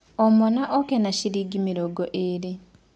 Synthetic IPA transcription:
ɔmonaʔɔkenaɕiɾiːɡimiɾoɡoʔeɾi

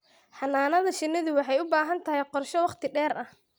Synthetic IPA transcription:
ħɑnaːnɐðɐʃɪnɪðʊwɑħɑjʊbaːɦɐnt̪ʰɐɦɛjqɔrʃɔwɑqt̪ʰɪɖɛːɾɐh

